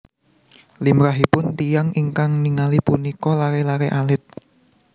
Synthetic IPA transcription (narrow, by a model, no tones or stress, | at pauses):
limɾaɦipʊnt̪ijaŋʔiŋkaŋniŋalipunikɔlaɾelaɾeʔalɪt̪̚